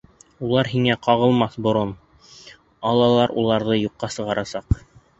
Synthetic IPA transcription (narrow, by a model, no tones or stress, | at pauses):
ulˠɑɾɦiŋæqɑʁɤ̆lˠmɑθbŏɾon | ɑlˠɑlˠɑɾulˠɑɾðɤjuqːɑsɤ̆ʁɑɾʔɑsɑq